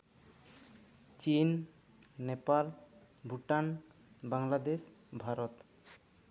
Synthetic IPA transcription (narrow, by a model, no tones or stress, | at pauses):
t͡ɕinː | epal | bʱuʈan | baŋlad̪eʃbʱaɾɔt̪